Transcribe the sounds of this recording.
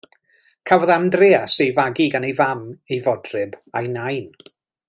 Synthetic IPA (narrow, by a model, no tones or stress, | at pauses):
kʰavɔðamdreːasejvaɡiɡanejvamejvɔdrɨbajnajn